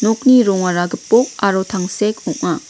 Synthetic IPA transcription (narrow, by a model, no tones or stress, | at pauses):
nok̚niɾɔŋaɾaɡɯpːɔk̚aɾotʰaŋsekɔʔa